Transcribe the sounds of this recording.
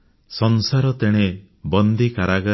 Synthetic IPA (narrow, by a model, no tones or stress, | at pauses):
sɔnsaɾɔt̪eɽ̃e | bɔnd̪ikaɾaɡa